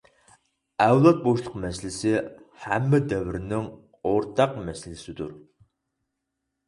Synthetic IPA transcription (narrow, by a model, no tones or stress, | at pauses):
ɛwlˠɑt̪̚boʃlˠəqmɛsɪlɪsɪhæmːɪd̪ɛvɪɾɪnɪŋ | oɾt̪ʰɑqmɛsɪlɪsɪd̪uɾ